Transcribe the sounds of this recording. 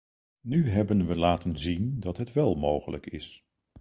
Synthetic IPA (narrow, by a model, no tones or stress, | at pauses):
nyɦɛbənʋəlaːtənzindɑtɦətʋɛlˠmowχələ̰kɪ̰s